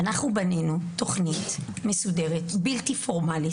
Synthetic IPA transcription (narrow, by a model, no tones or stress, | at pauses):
anaχnubanenuto̞χnitmesude̞ʁetbiltifo̞ʁmali